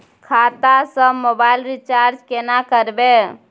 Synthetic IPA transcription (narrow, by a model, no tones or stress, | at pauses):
kʰat̪asəmobailɾit͡ʃaɾd͡ʒkenakəɾbe